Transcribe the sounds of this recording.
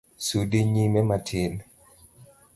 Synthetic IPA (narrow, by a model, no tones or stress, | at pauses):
sudiɲimɛmatʰɪn